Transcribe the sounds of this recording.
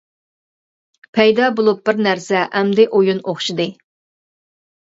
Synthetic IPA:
pʰɛjd̪ɑbolˠup̚bɪɾnæɾsɛʔɛmd̪ɪʔojunoχʃid̪ɨ

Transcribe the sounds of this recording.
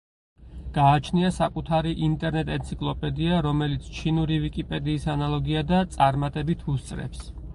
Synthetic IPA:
ɡ̥aːt͡ʃʰniasakʼut̪ʰaɾiʔint̪ʼɛɾnɛt̪ʼɛnt̪sʰikʼlˠɔpʼɛd̪iaɾɔmɛlit̪sʰt͡ʃʰinuɾivikʼipʼɛd̪iːsanalˠɔɡiad̪at̪sʼaɾmat̪ʼɛbit̪ʰust̪sʼɾɛ̰ps

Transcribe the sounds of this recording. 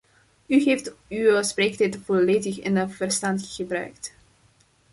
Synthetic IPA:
yɦejftywəspreːktɛtv̥ɔleːdəxɪnəv̥ərstɑntɣ̥əbrœ̰ɥkt

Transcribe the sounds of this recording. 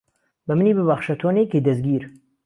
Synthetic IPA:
bɐmɨniːbɨbɐχʃɐt̪ʰoːneked̪ɐsɡiːɾ

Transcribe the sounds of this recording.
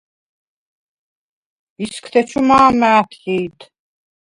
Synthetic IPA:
iskʰt̪ʰɛt͡ʃʰumaːmaːt̪ʰiːt̪ʰ

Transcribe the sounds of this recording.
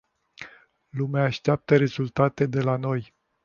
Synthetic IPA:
lumeaːʃt̪eap̚t̪əɾe̞zult̪at̪e̞d̪e̞lano̞j

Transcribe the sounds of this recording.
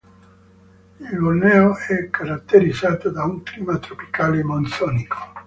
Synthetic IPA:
ilɡolnɛːoɛkːaɾat̪ːeɾid̪zːaːt̪od̪auŋkliːmat̪ɾopi̥kaːlemont̪sɔːnikʰo̥

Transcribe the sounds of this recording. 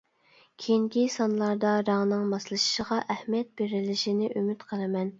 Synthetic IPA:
kʲʰeiŋkʲisɑnlˠɑɾd̪ɑɾɑŋnɨŋmɑslˠɨʃʃəʁɑʔɛhmjɛt̪̚beɾɪlɪʃinɪʔymyt̪qʰəlˠɨmɛn

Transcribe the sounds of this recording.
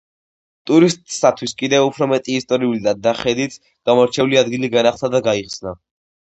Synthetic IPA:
t̪ʼuɾist̪ʼsat̪ʰwiskʼid̪ɛvupʰɾɔmɛt̪ʼiːst̪ʼɔɾiulid̪ad̪aχɛd̪it̪sʰ | ɡ̥amɔɾt͡ʃʰɛuliad̪ɡiliɡanaχt̪ʰad̪aɡaiχsna

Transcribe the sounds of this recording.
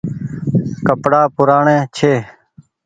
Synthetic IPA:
kəpɽaːpʊɾaːɳẽːt͡ʃʰeː

